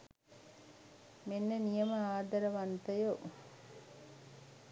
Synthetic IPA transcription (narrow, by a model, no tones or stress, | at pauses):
menːənijəməaːd̪ɐɾəʋant̪əjoʔ